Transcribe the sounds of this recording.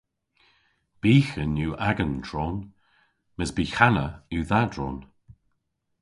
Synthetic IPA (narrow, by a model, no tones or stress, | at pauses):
b̥iːxənjuːʔaɡənd̥ɹɔːn | məsbiːxanəuːðadɹɔ̰ːn